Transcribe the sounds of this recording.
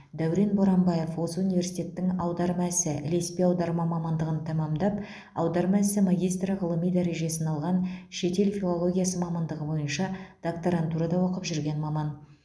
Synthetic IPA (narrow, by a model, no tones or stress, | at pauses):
d̪æwɾenboɾɑmbɑje̞fwo̞səunive̞rsijt̪ʲe̞t̪ːɪŋɑwd̪ɑɾmæsɪʔɪle̞spiɑwd̪ɑɾmɑmɑmɑnd̪əʁənt̪ʰɑmɑmd̪ɑp | ɑ̰wd̪ɑɾmɑæsɪmaɡʲijst̪rəʁəlˠəmijd̪æɾe̞ʒe̞sɪnɑlˠʁɑnʃe̞t̪e̞lfʲilˠo̞lˠo̞ɡʲijasəmɑmɑnd̪əʁəbo̞jənʃɑd̪̥ok̚t̪oɾɑnt̪uɾɑd̪ɑwo̞qəpʒʏɾɡʲe̞nmɑmɑn